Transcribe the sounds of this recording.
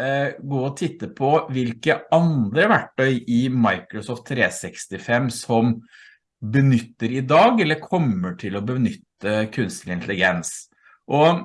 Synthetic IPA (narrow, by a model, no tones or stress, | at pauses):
ɡoːɔt̪ʰɪt̪ːəpʰɔʋɪlkəɑnd̪ɾəʋæʈːœʏʔɪmɑɪkɾɔsɔft̪ʰːɾeːsɛkst̪ɪfɛmsɔm | bənʏt̪ːəɾɪd̪ɑːɡɛlːəɾkʰɔmːəʈʰɪlɔbənʏt̪ːəkʰʉnst̪əlɪnt̪lɪɡɛns | ʔɔ